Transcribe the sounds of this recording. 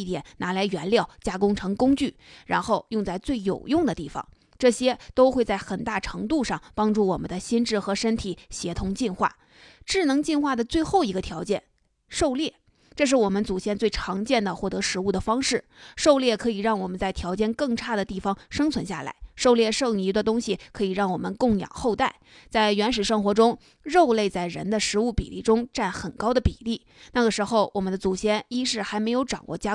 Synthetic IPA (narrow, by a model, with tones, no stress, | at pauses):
i˥˩t̪jɛ˨˩˦nnʔa˧˥la˧˥ɪɥɛ˧˥nljɑ˥˩ʊt͡ɕja˥kʊ˥ŋʈ͡ʂʰɤ˧˥ŋkʊ˥ŋt͡ɕy˥˩ɻa˧˥nxo˥˧ʊjʊ˥˧ŋt͡sa˥˧ɪt͡swe˥˩ɪjo˨˩ʊjʊ˥˩ŋd̪ə˩t̪i˥˩fɑ̰˩ŋ | ʈ͡ʂɤ˥˩ɕjɛ˥t̪o˥ʊxwe˥˧ɪt͡sa˥˩ɪxə˨˩nt̪a˥˩ʈ͡ʂʰɤ˧˥ŋt̪̬u˥˧ʂɑ˥˩ŋpɑ˥ŋʈ͡ʂu˥˩wɔ˨˩mə̰˦nd̪ə˧ɕi˥nʈ͡ʂɻ̩˥˩xɤ˧˥ʂə˥nt̪ʰi˨˩˦ɕjɛ˧˥t̪ʰʊ˧˥ŋt͡ɕi˥˧nxwa̰˥˩ | ʈ͡ʂɻ̩˥˩nɤ˧˥ŋt͡ɕi˥˧nxwa˥˩d̪ə˩t͡swe˥˧ɪxo˥˩ʊi˧˥ɡə˧t̪ʰjɑ˧˥ʊt͡ɕjɛ˥˩n | ʂo˥˧ʊljɛ˥˩ | ʈ͡ʂɤ˥˧ʂ̬ɻ̩˥˩wɔ˨˩mə˦nt͡su˨˩t͡ɕjɛ˥˧nt͡swe˥˩ɪʈ͡ʂʰɑ˧˥ŋt͡ɕjɛ˥˩nd̪ə˩xwɔ˥˩t̪ɤ˧˥ʂɻ̩˧˥u˥˩d̪ə˩fɑ˥ŋʂɻ̩˥˩ʂo˥˧ʊljɛ˥˩kʰɤ˧˥i˨˩ɻɑ˥˩ŋwɔ˨˩mə˦nt͡sa˥˩ɪt̪ʰjɑ˧˥ʊt͡ɕjɛ˥˧nkɤ˥˧ŋʈ͡ʂʰa˥˩d̪ə˩t̪i˥˩fɑ˥ŋʂɤ˥ŋt͡sʰwə˧˥nɕja̰˥˩la̰˧˥ɪʂo˥˧ʊljɛ˥˧ʂɤ˥˩ŋi˧˥d̪ə˧t̪̬ʊ˥ŋɕi˨˩kʰɤ˧˥i˨˩ɻɑ˥˩ŋwɔ˨˩mə̰˦nkʊ˥˩ŋjɑ̰˨˩ŋxo˥˧ʊt̪a˥˩ɪt͡sa˥˩ɪɥɛ˧˥nʂɻ̩˨˩ʂɤ˥ŋxwɔ˧˥ʈ͡ʂʊ˥ŋ | ɻo˥˧ʊle˥˧ɪt͡sa˥˩ɪɻə̰˧˥nd̪ə˧ʂɻ̩˧˥u˥˩pḭ˨˩lḭ˥˩ʈ͡ʂʊ˥ŋʈ͡ʂa˥˩nxə˨˩nkɑ˥ʊd̪ə˨pi˨˩li˥˩ | na˥˩ɡə˩ʂɻ̩˧˥xo˥˧ʊwɔ̰˨˩mə˦nd̪ə˧t͡su˨˩ɕjɛ˥ni˥ʂɻ̩˥˩xa˧˥ɪme˧˥ɪjo˧˥ʊʈ͡ʂɑ̰˨˩ŋwɔ̰˥˩t͡ɕja˥